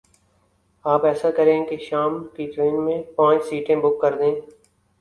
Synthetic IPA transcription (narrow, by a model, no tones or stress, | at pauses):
aːpɛːsakɐɾẽːkeʃaːmkiʈɾeːnmẽpãːt͡ʃsiːʈẽbʊkːɐɾd̪ẽː